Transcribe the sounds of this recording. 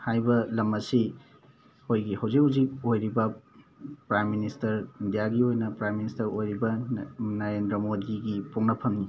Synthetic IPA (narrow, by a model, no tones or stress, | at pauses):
hajbɐlɐmɐsi | ojɡihawzik̚huzik̚ojɾibɐ | pɾajmːinistɐɾindijaɡiojnɐpɾajministɐɾojɾibɐnaɾendɾɐmodiɡipuŋnɐpʰɐmni